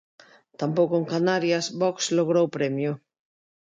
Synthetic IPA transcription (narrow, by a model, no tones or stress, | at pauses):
t̪ampowkoeŋkanaɾjasbɔksloɣ̞ɾowpɾɛmjʊ